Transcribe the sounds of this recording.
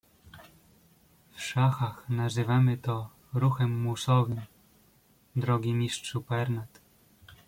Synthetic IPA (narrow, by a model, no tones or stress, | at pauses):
fʂaxaxnazɘvamɘt̪ɔ | ɾuxɛmːusɔvɘm | d̪ɾɔɡʲimʲiʂtʂupɛɾnat̪